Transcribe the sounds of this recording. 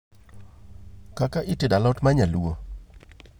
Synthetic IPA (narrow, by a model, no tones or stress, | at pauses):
kakaʔɪtɪdalɔtmaɲalwo